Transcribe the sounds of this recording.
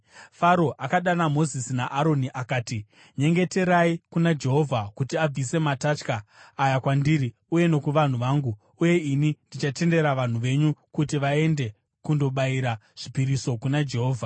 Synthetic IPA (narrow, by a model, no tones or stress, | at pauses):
faɾo̞ʔakaɗanamo̞zisinaʔaɾo̞niʔakaːti | ɲe̞ŋɡe̞te̞ɾaikunad͡ʒe̞ɦo̞vʱakutiab͡vise̞matat͡ʃkaːjakwandiːɾi | uje̞no̞kuʋan̤uʋaːŋɡuː | je̞inindit͡ʃate̞nde̞ɾaʋan̤uʋe̞ɲukutiʋae̞nde̞ | kundo̞ɓaiɾaʐ̥ipiɾiso̞kunad͡ʒe̞ɦo̞ːvʱa